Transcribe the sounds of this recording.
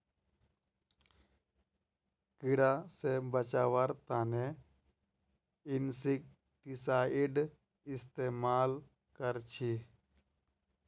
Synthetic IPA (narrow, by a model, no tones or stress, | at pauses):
kɪɽasebət͡ʃaːʋəɾt̪aːne | ɪnsik̚ | ʈisaːiɖ | ɪst̪eːmaːl | kəɾt͡ʃʰi